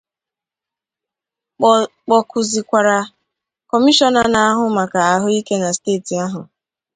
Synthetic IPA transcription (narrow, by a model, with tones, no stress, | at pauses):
k͡pɔ˨kʰʊ˨zi˨kʷa˨ɾa˨ | kɔ˨mi˦ʃɔ˦na˨˦na˨a˦ɦʊ˨ma˨ka˨a˨ɦʊ˦i˦ke˦na˨steː˦˨ti˨a˦ɦʊ˨